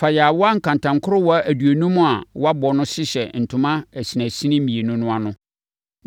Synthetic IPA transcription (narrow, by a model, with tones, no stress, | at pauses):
fa˨jɛ˨a˨wɔ˦a˦ŋ̩˨kʰã˨n˨tʰã˨ŋ˨kʰʊ˦ɾʊ˦wɔ˦æ˨du˨æ˨nũ˦mʊ̃˦a˨wɔ˦a˦bɔ˨nʊ̃˦ɕɪ˦ɕɛ˨n̩˨tʰʊ̃˨mã˦æ˨si˨næ̃˨sĩ˦nɪ̃˦mĩ˨e˨nũ˦nʊ̃˦a˨nʊ̃˦